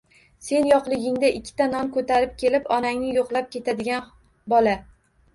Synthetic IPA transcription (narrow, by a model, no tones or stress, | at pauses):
se̞njɒqlˠɪɡʲɪŋd̪aʔɪkʲʰːɪ̥t̪ʰanɒnkʰɵt̪ʰaɾɪp̚kʲʰe̞lɪpɒnaŋnɪjoqlˠap̚kʲe̞t̪ʰad̪ɪɡʲan | bɒla